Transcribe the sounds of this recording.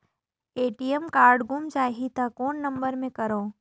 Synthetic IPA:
eːʈijəmkaːɾɖɡʊmt͡ʃaːɦit̪akoːnːɐ̃mbəɾmẽkɐɾoː

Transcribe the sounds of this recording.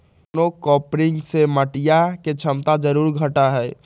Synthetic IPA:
nokɔːpɾɪ̃ŋɡseməʈijaket͡ʃʰəmt̪ad͡ʒəɾuːɾɡʱəʈaɦɛː

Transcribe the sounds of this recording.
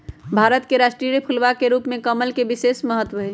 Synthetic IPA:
bʱaːɾət̪keɾaːʃʈɾiɾepʰulʋakeɾuːpmẽkəməlkebɪseːsməɦət̪ʋəɦɛ

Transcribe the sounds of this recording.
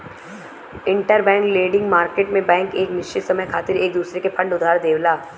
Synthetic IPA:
ɪ̃ɳʈəɾbɛ̃ːŋkleːɖɪ̃ŋɡmaːɾkeːʈmẽbɛ̃ːŋkeːknɪʃt͡ʃɪt̪sɐməjkʰaːt̪ɪɾeːk̚d̪uːsɾekepʰɐ̃ɳɖʊd̪ʱaːɾd̪eːʋlaː

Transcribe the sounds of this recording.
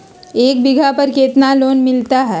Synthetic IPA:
eːk̚bɪɡʱapəɾkeːt̪naloːnmɪlt̪aɦɛː

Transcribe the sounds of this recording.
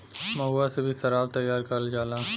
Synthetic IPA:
mɐɦuasebʱisɐɾaːbt̪ɐjːaːɾkɐɾld͡ʒaːlãː

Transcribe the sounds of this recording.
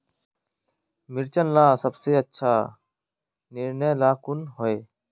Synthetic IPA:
mɪɾt͡ʃənlaːsəbseːətːʃʰaː | nɪɾnəjlaːkʊnɦoːeː

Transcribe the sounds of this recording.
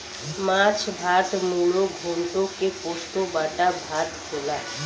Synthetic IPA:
mãːt͡ʃʰbʱaːt̪muɽoɡʱoːnʈ̪õkekoːst̪obaːʈabʱaːt̪kʰolaː

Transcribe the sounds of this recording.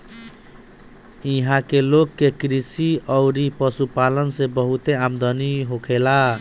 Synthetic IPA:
iɦãkelokːekɾisiʌwɾipʌsupalʌnsebʌɦut̪eamd̪ʌniɦokʰela

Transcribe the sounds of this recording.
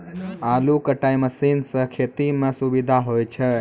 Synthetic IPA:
aːlukəʈaiməsinsəkʰet̪imẽsubid̪ʱaɦojt͡ʃʰe

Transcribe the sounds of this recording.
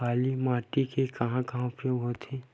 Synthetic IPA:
aːlimaːʈikekɐɦãkɐɦãpeɦot̪ʰe

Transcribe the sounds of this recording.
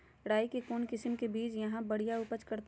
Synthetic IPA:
ɽaːikekoːnkɪsəmkebiːt͡ʃjɐɦãbɐɽ̤ijaʊpət͡ʃkɐɾt̪

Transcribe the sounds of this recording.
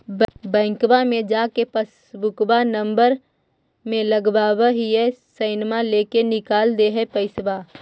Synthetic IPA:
bɛ̃ːŋkbamẽd͡ʒaːkepəs | bʊkbanə̃mbəɾ | mẽləɡbaːwaɦiɛsəɪnmãleːkenɪkaːld̪eɦɛpəɪsbaː

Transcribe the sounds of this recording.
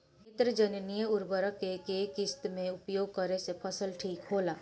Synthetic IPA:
ɪt̪ɾəd͡ʒənnijəʊɾbəɾəkekekɪst̪mẽʊpjoːɡ̚kəɾesepʰɐsəlʈʰiːkɦoːlaː

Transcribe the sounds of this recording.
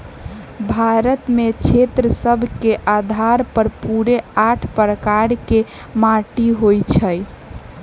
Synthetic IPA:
bʱaɾət̪met͡ʃʰet̪ɾəsəbʱkeʔad̪ʱaɾpəɾpuɾeaʈʰpɾəkaɾke | maʈiɦojt͡ʃʰəj

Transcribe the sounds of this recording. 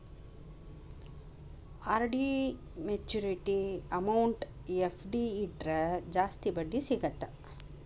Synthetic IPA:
aːɾɖi | met͡ʃːuɾiʈiɐmɐwɳʈ | epʰɖiːʈɾɐd͡ʒaːst̪ibɐɖːisiɡɐt̪ɐ

